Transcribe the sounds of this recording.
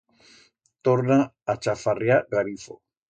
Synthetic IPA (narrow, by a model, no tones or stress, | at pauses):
t̪oɾna | at͡ʃafarjaɣaɾifo̰